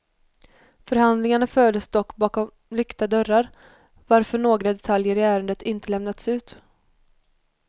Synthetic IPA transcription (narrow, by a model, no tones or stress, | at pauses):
fœɾhand̪lɪŋaɳaføːd̪əsd̪ɔkːbɑːkɔm | lʏkt̪ad̪œɾːaɾ | vaɾfœɳoːɡɾad̪ɛt̪ʰaljəɾɪæːɾənd̪ət̪ɪnt̪əlɛmnat̪sʉ̟ːt̪